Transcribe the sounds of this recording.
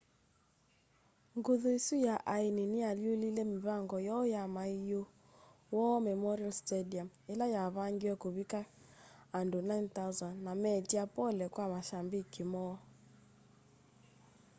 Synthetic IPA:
ŋɡuðoisujaʔaininɪaliolilɛmiβaŋɡɔjɔjamaijo | wɔmɛmɔɾialstɛdiamɛlajaβaŋɡiwɛkoβika | andonainθazanːamɛtiapɔlɛkwamaʃambikimɔ

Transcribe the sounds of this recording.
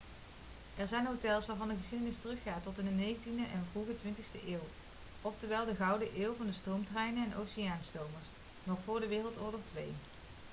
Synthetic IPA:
ɛɹzɛjnɦotɛlˠsʋaːɹvɑndəɣəsidənɪstərɵχːaːtɔtɪnənejɣəntindəʔɛnvruɣətʋɪntəxstəʔɪːw | ɔftəɹʋɛlˠdəɣɑwdəʔeːwˠvɑndəstrowmtrɛjnənɛnowsijaːnstowməɹs | nɔχfʊːɹdəʋɪːrəlˠtɔɹdəχtʋḛj

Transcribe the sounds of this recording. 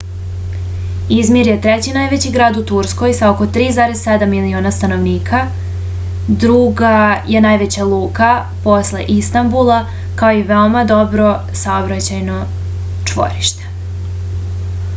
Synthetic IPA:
izmiɾje̞t̪ɾet͡ɕinajʋet͡ɕiɡɾaːd̪ut̪uɾsko̞jsao̞ko̞t̪ɾiːzaɾessed̪amːilioːnast̪ano̞ʋniːkʰa | d̪ɾuɡaje̞najʋet͡ɕalˠuːka | po̞sle̞̰ʔist̪ambulˠa | kaoiʋeo̞mad̪o̞bɾo̞ | saobɾat͡ɕajno | t͡ʂʋo̰ɾiʃt̪e̥

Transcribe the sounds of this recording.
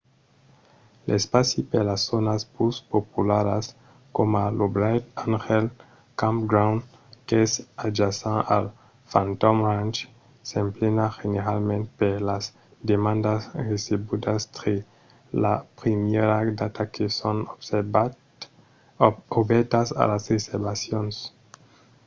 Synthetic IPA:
lḛspasipeɾlasːonaspuspopulaɾas | komalobɾajt̪anxel | kãmpɡɾawn | kesad͡ʒasãʔal | fãnt̪omant͡ʃ | semplenaxeneɾalmẽnt̪̚peɾlas | d̪emãnd̪asresebud̪ast̪ɾe | lapɾimjeɾad̪at̪akʰeson | obɛɾt̪asa̰lasɾeseɾbasjons

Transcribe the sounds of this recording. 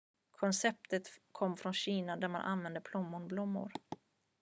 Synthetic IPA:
kʰɔnsɛp̚t̪ət̪kʰɔmːfɾɔnɕiːnad̪æɾma̰nʔa̰nvɛnd̪əpʰlʊmːʊɳblʊmːʊ̰ɾ

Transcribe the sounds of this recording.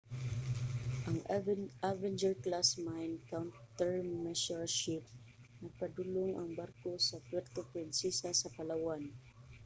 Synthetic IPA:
ʔaŋʔavɛnd͡ʒɛɹklasmajnkawnt̪ɛɹmːɛʃɔɹʃɪp̚ | nɐɡ̚pad̪ʊloŋʔaŋbaɾkosapwɛɾt̪opɾɪnsɛsasapalawan

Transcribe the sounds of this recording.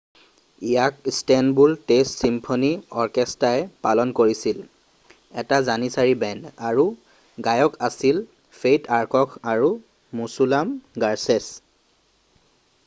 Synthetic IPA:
ijakstɛnbultestsimpʰoniɔɹkɛstaɛpalɔnkoɹisil | ɛtazanisaɹibɛndaɹu | ɡajɔkasil | fʰejtaɹkɔkʰaɹu | musulamɡaɹsɛs

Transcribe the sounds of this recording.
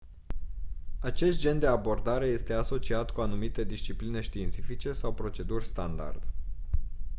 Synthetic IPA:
at͡ʃe̞st̪̚d͡ʒe̞nd̪e̞abo̞rd̪aɾe̞je̞st̪e̞aso̞t͡ʃiat̪kuanumit̪e̞d̪ist͡ʃipline̞ʃt̪iːnt̪sifit͡ʃe̞sawpɾo̞t͡ʃe̞d̪urʲst̪and̪a̰rd̪̥

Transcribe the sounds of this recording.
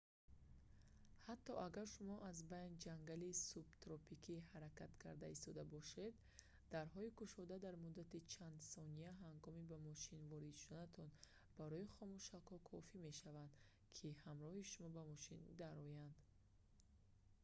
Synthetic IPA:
hat̪ʰːɔʔaɡaɾʃumɔʔazbajnd͡ʒaŋɡalisubt̪ɾɔpikʰihaɾakat̪kʰaɾd̪aist̪ɔd̪abɔʃe̞d̪ː | aɾɦɔikʰuʃɔd̪ad̪aɾmud̪ːat̪it͡ʃʰand̪sɔniaɦaŋɡɔmibamɔʃinvɔɾid̪ʃud̪anat̪ʰɔn | baɾɔiχɔmuʃakhɔkʰɔfime̞ʃavand̪ | kʰihamɾɔhiʃumɔbamɔʃind̪aɾɔjand̪

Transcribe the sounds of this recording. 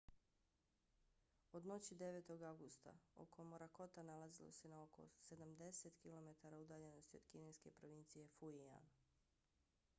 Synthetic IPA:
o̞d̪no̞t͡ɕid̪e̞ʋe̞t̪o̞ɡaɡust̪a̰o̰kʰomoɾako̞t̪analazilo̞̰se̞naokʰo̞̰se̞d̪amd̪e̞se̞t̪kilo̞me̞t̪aɾaud̪aːʎe̞no̞st̪io̞̰d̪kine̞jske̞pɾo̞ʋint̪sije̞fuia̰n

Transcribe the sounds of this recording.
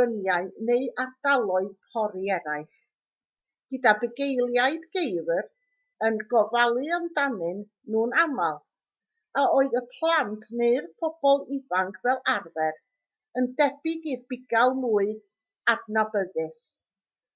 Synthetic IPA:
ənjaɨneɨard̥alˠɔɨðpʰɔɾiɛɾaɨθ | ɡ̥ɨdabəɡejlˠjaɨdɡejvr | ənɡɔvalˠɨəmdanɨnː | uːnamalˠ | aoɨðəpʰlˠantʰneɨrpʰɔb̥ɔlˠɪvaŋkʰvɛlˠarvɛr | əndɛbɪɡirbɪɡalˠmuːɨ | abnabəðɨs

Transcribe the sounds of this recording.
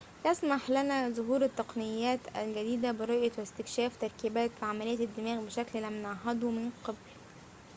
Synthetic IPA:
jæsmɑħlænæzʊɦuːɾɪt̪ːɑqnɪjːæːt̪æ̰lɡæd̪iːd̪æbɪɾˤɑʔjɑwæst̪ɪkʃæːft̪ɑɾˤkiːbæːt̪fiʕamælejːæd̪ːɪmæːɣbɪʃækllæmnɑʕɦɑd̪ˤumɪnqɑbl

